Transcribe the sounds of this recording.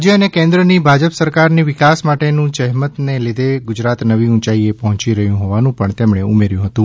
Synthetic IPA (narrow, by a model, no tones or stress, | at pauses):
d͡ʒjəənekẽnd̪ɾənibʱad͡ʒəpsəɾkaɾniʋɪkasmaʈenũd͡ʒəɦmət̪neled̪eɡʊd͡ʒɾat̪nəʋiũt͡ʃaiepɔɦɔ̃t͡ʃiɾəɦjũɦoʋanũpəɳt̪emɳeṵmeɾjũɦət̪ũ